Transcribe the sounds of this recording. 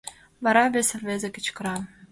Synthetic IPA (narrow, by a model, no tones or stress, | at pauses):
vɑɾɑβʲesɘ̆rvʲezĕkɘ̥̆t͡ɕkɤ̆ɾɑ